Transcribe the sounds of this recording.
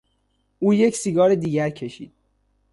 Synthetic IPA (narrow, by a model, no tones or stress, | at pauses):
ʔuːje̞csiɡɒːɾed̪iːɟæɾcʰeʃḭːd̪̥̚